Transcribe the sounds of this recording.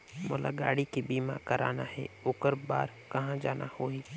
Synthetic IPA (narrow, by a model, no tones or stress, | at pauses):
mʊlʔa̰ɡa̰ːɽikibiːmã̰kəɾa̰ːnahɛ̰oːkəɾbaːɾ | kɐɦãd͡ʒaːnʔahoːiː